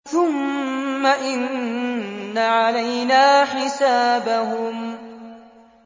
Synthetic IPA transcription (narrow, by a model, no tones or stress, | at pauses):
θʊmːaʔɪnː | aʕalajnaːħɪsaːbaɦʊm